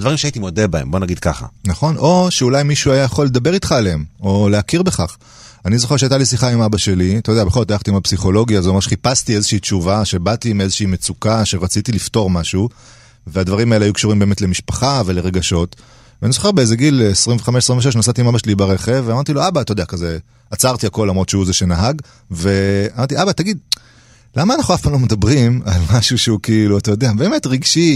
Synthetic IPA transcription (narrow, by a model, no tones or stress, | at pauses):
ad̪vaʁimʃeait̪imod̪ebaḛmbonaɡid̪̚ka̰χa̰naχo̞no̞ʃeulajmiʃuajajaχo̞lːed̪abe̞ʁit̪χaːleemo̞leakiʁbeχaχ | anizo̞χe̞ʁʃeajtalisiχaimabaʃe̞lit̪od̪ɛabeχolotajaχt̪iimapsiχo̞lo̞ɡjazeoeʁʃeχipast̪ie̞zeʃiːtt͡ʃuvaʃe̞bat̪imie̞zeʃiimet͡sukaʃeʁat͡sit̪ilifto̞ʁmaʃu | veadvaʁimaelajukʃuʁimbe̞ːmetlemiʃpaχave̞le̞ʁe̞ɡaʃo̞t̪ | veanizoχebeezeɡilesʁiɱveχameʃesʁimveʃenasat̪imamaʃelibaʁeχeveamaʁt̪iloabat̪ajodeakaze | at͡saʁt̪iako̞lːamʁot̪ʃeuzeʃe̞naɦaɡ | ve̞amaʁt̪iʔabat̪aɡid̪̚ | lamaːnaχnuafpamlomed̪abʁimalmaʃuʃeukiiluat̪ajo̞d̪eabe̞ːme̞t̪ʁiɡʃi